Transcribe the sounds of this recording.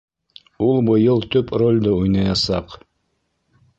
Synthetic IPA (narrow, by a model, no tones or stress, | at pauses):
ulˠbɤ̆jɤlˠt̪ɵprolʲd̪ɤujnɑjɑsɑq